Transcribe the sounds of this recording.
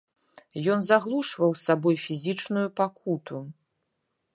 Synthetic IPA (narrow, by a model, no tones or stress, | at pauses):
jɔnzaɣlˠuʂvɐwsabɔjfʲizʲit͡ʂnujupakut̪u